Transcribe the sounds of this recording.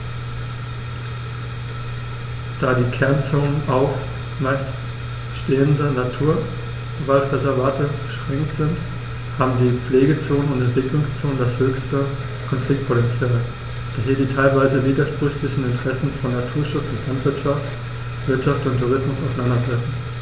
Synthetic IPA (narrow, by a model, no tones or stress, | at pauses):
d̥aːdiːkʰɛɐnt͡soːnənʔaʊf | mas | ʃteːəndənatʰuːɐ | əvaltʁɛzɛɐvaːtəɡ̥əʃʁ̥ɛŋktz̥ɪnt | haːbm̩diːp͡fleːɡət͡soːnənʊntɛntv̥ɪklʊŋst͡soːnəndashøːçstə | kʰɔnflɪk̚t̚pʰotɛnt͡sjaːl | d̥aɦɪɐdiːtʰaɪlvaɪzəviːdɐʃpʁ̥ʏçlɪçn̩ɪntəʁ̥ɛsn̩fɔnːatʰuːɐʃʊt͡sʊntlantv̥ɪɐtʃaft | v̥ɪɐtʃaftʊntʰːuʁ̞ɪsmʊsaʊsanandɐdʁɛfn̩